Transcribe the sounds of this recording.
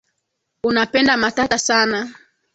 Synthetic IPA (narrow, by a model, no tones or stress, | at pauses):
unapɛndamatatasana